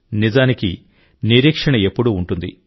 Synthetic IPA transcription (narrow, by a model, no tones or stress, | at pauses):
nizaːnikḭ | niɾiːkʂɐɳɐe̞pːuɽuːɳʈund̪ḭ